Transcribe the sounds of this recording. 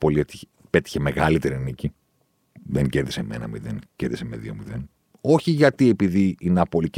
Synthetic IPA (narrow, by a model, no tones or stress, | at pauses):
po̞liet̪i | pe̞t̪i̥çe̞me̞ɣɐlit̪e̞ɾinici | ðeŋce̞ɾðiseme̞̰nɐ̰miðenceɾðisemeðiomiðen | o̞çiʝɐt̪ie̞piðiineɐpo̞lic